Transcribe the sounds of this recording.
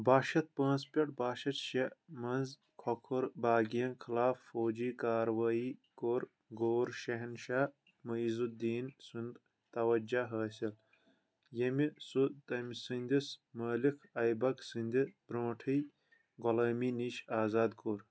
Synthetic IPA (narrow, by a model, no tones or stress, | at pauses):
baːʃɐt̪̚pãːnspʲɐʈ̚baːʃɐt̪ʃemɐnz | kʰokʰuɾbaːɡijɐnkʰilaːfːoːd͡ʒiːkaːɾwaːiːkoːɾ | ɡoːɾʃɐɦnʃaː | mɐizud̪iːnsund̪ | t̪ɐwɐd͡ʒaɦɐːsʲil | jɐmisut̪ɐmsɨnʲd̪ismɐːlikʰɐjbɐksɨnd̪ʲibɾõːʈʰɐj | ɡɔlɐːmiːniːʃaːzaːd̪koːɾ